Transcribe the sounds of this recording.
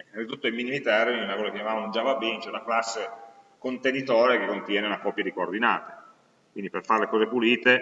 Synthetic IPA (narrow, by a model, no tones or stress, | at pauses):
nɾit̪ut̪ːoimːinimit̪ɛrinunakɔːzakːejamaːvaund͡ʒavabint͡ʃɛnaklasːe | kont̪enit̪oːɾekekːont̪jɛːneunakɔpːjad̪ikoord̪ina̰ːt̪e̥ | kwind̪iperfaɾelekɔːzepuliːt̪e